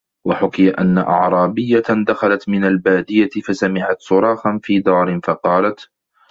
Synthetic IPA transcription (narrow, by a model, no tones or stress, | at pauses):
waħʊkɪjaʔa̰nːa̰ʔɑ̰ʕɾˤɑːbɪjːad̪axalat̪mɪnalbaːd̪ɪjafasamɪʕat̪sʊɾˤɑːxanfiːd̪ɑːɾɪnfɑqɑːlat̪